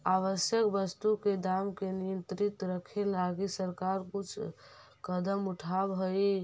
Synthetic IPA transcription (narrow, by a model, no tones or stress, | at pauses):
aʋəsjəkbəst̪uked̪amkenijənt̪ɾit̪ɾəkʰelaɡisəɾkaɾkut͡ʃʰ | kəd̪əmuʈʰabɦəi